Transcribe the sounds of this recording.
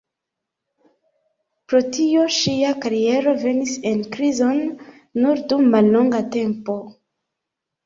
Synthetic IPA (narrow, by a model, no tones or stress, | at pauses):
pɾo̞tio̞ʃiakaɾie̞ɾo̞ve̞nise̞nkɾizo̞nː | uɾdumːalːo̞ŋɡate̞mpo̞